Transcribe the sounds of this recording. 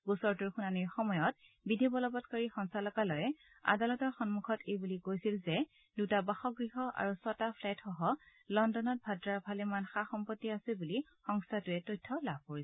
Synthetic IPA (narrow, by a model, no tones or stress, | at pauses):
ɡusɔɹtuɹxunaniɹxɔmɔjɔt̚ | bidʱibɔlɔbɔtkaɹixɔŋsalɔkalɔjɛ | a̰dalɔtɔɹxɔnmukʰɔtejbulikojsilzɛ | d̥utabaxɔɡɹiɦɔʔa̰ɹusɔtapʰlɛtxɔɦɔlɔndɔnɔt̚bʱatɹaɹbʱalɛmanxaxɔmpɔtːiasɛbulixɔŋstʰatʊɛtojtʰːɔlabʱkoɹisɛ